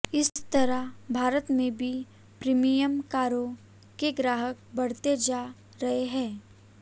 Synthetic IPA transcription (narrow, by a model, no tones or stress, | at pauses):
ɪst̪ɐɾəbʱaːɾət̪mẽbʱi | pɾiːmijəmkaːɾõ | keɡɾaːɦək̚bɐɽ̤t̪ed͡ʒaː | ɾɐɦeɦɛ̃ː